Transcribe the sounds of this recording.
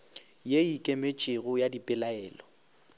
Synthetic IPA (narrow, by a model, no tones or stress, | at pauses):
jeikʼemet͡ʃʼɪɣʊjadipʼɪlaɛːlɔ